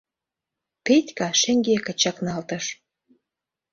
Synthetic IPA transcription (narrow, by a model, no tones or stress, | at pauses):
petʲkɑʃĕŋɡekə̆t͡ɕɑknɑlt̪ɤ̆ʃ